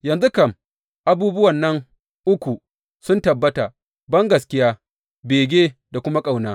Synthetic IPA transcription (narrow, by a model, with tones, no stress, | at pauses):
jɐ˨nzu˦kɐ˦˨m | ʔa˦buː˦bʊ˦wɐ˨nːɐ˦ŋ | ʔʊ˦kʷu˨ | sʊ˦ntɐ˨bːɐ˦ta˨ | bɐ˦ŋɡɐ˨skʲɪ˦jaː˦ | beː˨ɡʲeː˦da˨kʷʊ˦ma˦kʼa˨wnaː˦